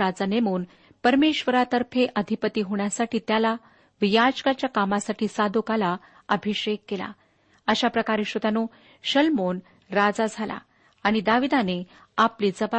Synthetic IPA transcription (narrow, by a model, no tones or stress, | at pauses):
ad͡zanemuːn | pəɾmeɕʋəɾat̪əɾfʰeʔəd̪ʱipət̪iːɦoɳ̃jasaʈiːt̪jala | ʋijad͡zkat͡ɕjakamasaʈiːsad̪ʱukala | əbʱiɕekːela̰ | əɕapɾəkaɾeɕət̪ano | ɕəlmon | ɾad͡zad͡zʱala̰ː | ɽ̃id̪aʋid̪ane | apliːd͡zəba